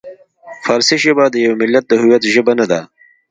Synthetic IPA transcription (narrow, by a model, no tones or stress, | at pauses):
faɾsiʒəbad̪əjawemɪlːat̪̚d̪əɦʊwjat̪ʒəbanad̪a